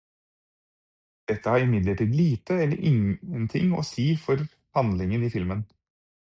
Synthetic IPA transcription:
d̪̥ɛt̪ːəhɑːɾɪmɪd̪ləʈiːd̪liːt̪əɛlːə̰ɾʔɪŋənt̪ʰɪ̰ŋo̰ːsiːfɔɾ | pɑnlɪŋəniːfɪlmən

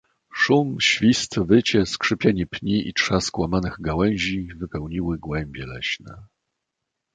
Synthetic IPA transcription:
ʂumɕfʲist̪vɘt͡ɕɛskʂɘpʲjaɲɛpɲiʔḭtʂaskwamanɘɣɡawɛ̃w̃ʑivɘpɛwɲiwɘɡwɛmbʲjɛlɛɕnɛ̰

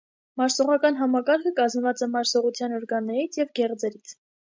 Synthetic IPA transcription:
mɑɾsɔʁɑkɑnɦɑmɑkɑɾkʰəkɑzmvɑt͡sɛmɑɾsɔʁut͡sʰjɑnɔɾɡɑnːɛɾit͡sʰjɛvɡɛʁd͡zɛɾit͡sʰ

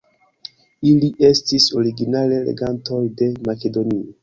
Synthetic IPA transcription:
iliʔe̞stiso̞ɾiɡinale̞lḛɡanto̞jde̞make̞do̞nio

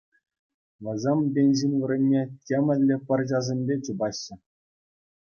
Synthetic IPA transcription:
ʋɤ̆zʲembʲenʲʑinʲʋɤ̆ɾʲɘ̆nʲːetʲemʲɘ̆lʲːɘ̆pʲɤ̆rʑɑzʲemʲbʲet͡ɕubɑɕːɘ̆

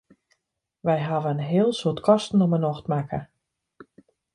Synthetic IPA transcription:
ʋɛjɦaʋəənɦɪːlˠsutkʰɔstn̩ɔmənɔxtmakʰə

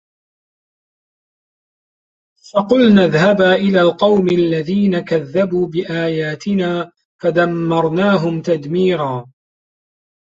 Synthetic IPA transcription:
faqʊlnaðhabaːʔɪlaːlqɑwmalːaðiːnakaðːabuːbɪʔaːjaːt̪ɪnaː | fad̪amːɑɾˤnaːɦʊmt̪ad̪miːɾaː

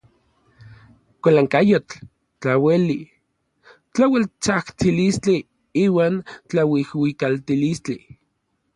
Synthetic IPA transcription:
kʷalaŋkajot͡ɬ | t͡ɬaweli | t͡ɬawelt͡saht͡silist͡ɬi | iːwaːnt͡ɬawihwikalt̪ilist͡ɬi

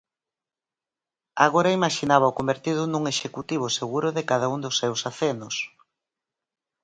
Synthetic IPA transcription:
a̰ɣoɾaimaʃinaβɐʊkombeɾt̪iðʊnuŋeʃekut̪iβ̞ʊseɣuɾʊðekað̞aund̪ʊsːewsaθenʊs

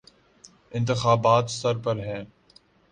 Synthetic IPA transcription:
ɪ̃nt̪ɪxaːbaːt̪sɐɾpəɾɦɛː

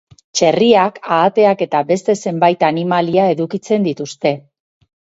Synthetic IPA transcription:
t͡ʃe̞riakaːt̪e̞ake̞t̪abe̞st̪e̞se̞mbajt̪animaliae̞ðukit͡se̞nd̪it̪ust̪e̞

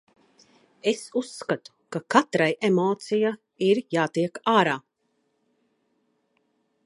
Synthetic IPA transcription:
e̞susːkat̪u̥kakat̪ɾajʔemɔːt̪sija | iɾjaːt̪iɛkaːɾaː

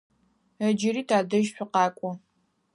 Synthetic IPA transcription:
əd͡ʒɪɾiːtʰaːdɐʒɕʷʊqɑːkʷʼɔ

